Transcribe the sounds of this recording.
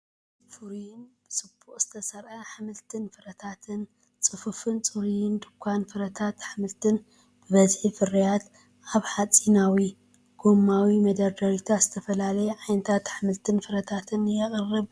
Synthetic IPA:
fɨɾijɪnb̥ɨsɨb̥uχʼz̥ɨ̥t̪ʰɐsɐɾʔɐħamɨlt̪ʰɨnfɨɾɐt̪ʰat̪ʰɨn | t͡sʼɨfɨfɨnt͡sʼɨɾijɪnd̪ɨkʷʰːanfɨɾɐt̪ʰat̪ħamɨlt̪ʰɨn | b̥ɨβɐzħifɨɾijat̪ | ʔaβħat͡sʼinawi | ɡ̥omːawimɐd̪ɐɾd̪aɾit̪ʰaz̥ɨt̪ʰɐfɐlalɐjɛʕajnɨt̪ʰat̪ħamɨlt̪ʰɨnfɨɾɐt̪ʰat̪ʰɨnjɛχʼɨrːɨb

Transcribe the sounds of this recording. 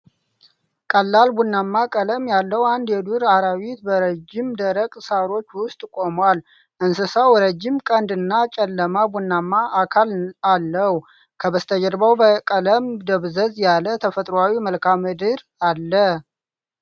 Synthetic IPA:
kʼəlːalbunːamːakʼələmjalːəwand̪jɛd̪uɾaɾawit̪bəɾəd͡ʒɪmd̪əɾəkʼsaɾo̞t͡ʃːwʊst̪ʼkʼo̞mwal | ʔɨnsɨsawɾəd͡ʒːɪmkʼənd̪ɨnːat͡ʃʼɛlːəmabunːamːaʔːkʰalalːəhu | kʰəbəst̪ʰəd͡ʒəɾbawbəkʼələmd̪əβzəzjalət̪ʰəfət̪ʼɾoawiməlkʰamːɨd̪ɨɾ | alːə

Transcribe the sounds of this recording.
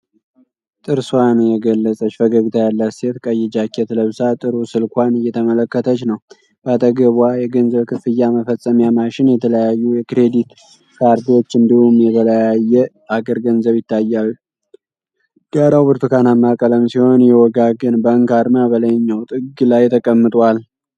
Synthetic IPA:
t̪ʼɨɾswanɨjɛɡəlːət͡sʼət͡ʃːfəɡəɡɨt̪ʰajalːəset̪kʼəjɛd͡ʒakːɛt̪ləβsat̪ʼɨɾusɨlkʷanɨjːɛt̪ʰəmələkːət̪ʰət͡ʃːnəw | b̥at̪ʰʼəɡəβwajɛɡənzəβkʰɨfɨjːaməfəsʼəmjamaʃɪnjɛt̪ʰələjajːujɛkɾe̞d̪it̪ | kʰaɾd̪io̞t͡ʃːɨnd̪ihumjɛt̪ələjajːɛ | aɡəɾɡənzəβjɪt̪ʰːajːalːu | ɡ̥aɾawbɨɾt̪ʰɨkʰanamːakʼələmsiho̞njɛwɔɡaɡɨnbəːŋkaɾmabələɲːawt̪ʼɨɡlajt̪ʰəkʼəmːɨt̪ʼwal

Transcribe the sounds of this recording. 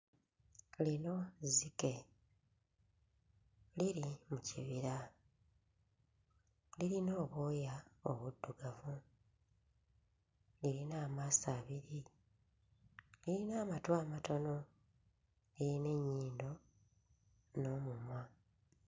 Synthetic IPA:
lino̞zike̞ | liɾimuciβiɾa | liɾino̞ːβoːjao̰βudːuɡavu | liɾinaːmaːsaːβiɾi | liɾinaːmatwaːmatono̞ | liɾine̞ɲːiːndo̞ | no̞mumwa

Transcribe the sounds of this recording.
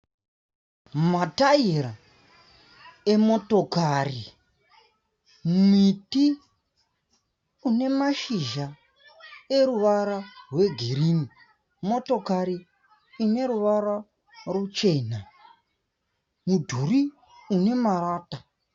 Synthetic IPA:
mataiɾa | emo̞to̞kari | miti | une̞maʃiʒa | e̞ɾuʋaɾarwe̞ɡʱeɾini | mo̞to̞kaɾiː | ne̞ɾuʋaɾa | rwot͡ʃe̞ːna | mudʱuɾi | une̞maɾaːta

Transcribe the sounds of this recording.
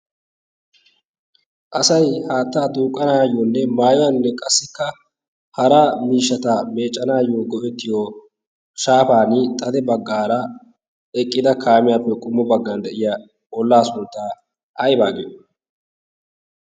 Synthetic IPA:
ʔɐsɐjhaːt̪ːaːd̪uːkʼːɐnaːjoːnːɛmaːjʊwɐnnːɛkʼɐsːɪkːɐ | hɐɾamiːʃːɐt̪ɐme̞ːt͡ʃʼːɐnaːjːoːɡɔʔɛt̪ːɪjo | ʃaːfaːnɪt̪ʼɐd̪ɛbɐɡːaːɾɐ | ɛkʼːɪd̪ɐkʰaːmɪjaːpːɛkʼʊmːɔbɐɡːand̪ɛʔɪja | ɔlːaːsʊnt̪ːa | ʔɐjbaːɡḛː

